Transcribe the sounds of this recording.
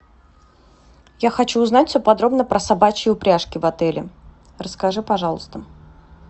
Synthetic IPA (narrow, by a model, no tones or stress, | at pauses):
jaxɐt͡ɕuːznatʲfʲsʲopɐd̪ɾo̞bnəpɾəsɐbat͡ɕɪʊpɾʲaʂkʲɪvɐt̪ɛlʲɪ̰ | rəskɐʐɨpɐʐɑlˠəst̪ə